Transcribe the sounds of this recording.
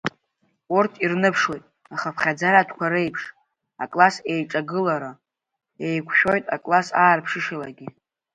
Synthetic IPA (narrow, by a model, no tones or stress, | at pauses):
urtʰirnɨpʰʂwe̞jtʼ | aχapʰχʲad͡zaratʰkʷʰaɾe̞jpʰʂ | akʼlase̞jʈ͡ʂʼaɡɨlaɾa | ejkʷʰʃᶣo̞jtʼa̰kʼlasaːrpʰʂɨʃalaɡʲi